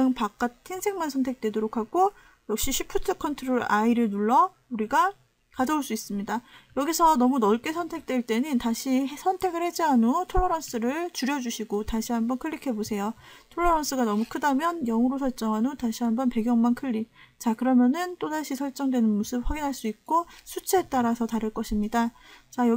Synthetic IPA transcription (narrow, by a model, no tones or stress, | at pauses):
ɯŋpak͈̚atʰinsʰe̞ŋmansʰʌntʰe̞k̚t͈we̞doɾokʰaɡo | jʌk̚ɕ͈iɕʰipʰutʰɯkʰʌntʰɯɾoɾaiɾɯɭnuɭːʌ | uɾiɡa | kad͡ʑʌoɭs͈uis͈ɯmɲidajʌɡisʰʌnʌmunʌɭk͈e̞sʰʌntʰe̞k̚t͈weɭt͈e̞nɯntaɕʰiɦsʰʌntʰe̞ɡɯɭhe̞d͡ʑiɦanotʰoɭːʌɾʌns͈ɯɾɯɭt͡ɕuɾjʌd͡ʑuɕʰiɡotaɕʰiɦambʌnkʰɯʎːikʰe̞bosʰe̞jo | tʰoɭːʌɾʌns͈ɯɡanʌmukʰɯdamjʌnjʌŋɯɾosʰʌɭt͡ɕ͈ʌŋɦanotaɕʰiɦambʌnpe̞ɡjʌŋmankʰɯʎːit͡ɕakɯɾʌmjʌnɯnt͈odaɕʰisʰʌɭt͡ɕ͈ʌŋdwe̞nɯnmosʰɯb̚ɸaɡinɦaɭs͈uik̚k͈osʰut͡ɕʰeet͈aɾasʰʌtaɾɯɭk͈ʌɕʰimɲidat͡ɕajʌ